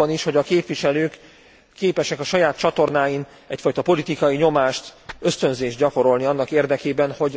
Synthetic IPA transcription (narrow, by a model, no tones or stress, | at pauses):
ɒniʃho̞ɟɒkeːpʋiʃɛløːkː | eːpɛʃɛkɒʃɒjaːt̪̚t͡ʃɒt̪o̞rnaːjin | ɛcfɒjt̪ɒpo̞lit̪ikɒjiɲo̞maːʃt̪ø̞st̪ø̞nzeːʒd̪̚ɟɒko̞ɾo̞lniɒnːɒkeːrd̪ɛkeːbɛnho̞ɟ